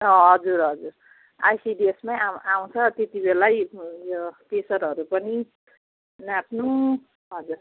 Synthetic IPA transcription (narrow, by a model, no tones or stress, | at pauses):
ʌɦʌd͡zuɾɦʌd͡zuɾ | ajsiɖiesmãaaw̃t͡sʰʌt̪et̪ibelajjokesʌɾɦʌɾupʌni | napʰnu | ɦʌd͡zuɾ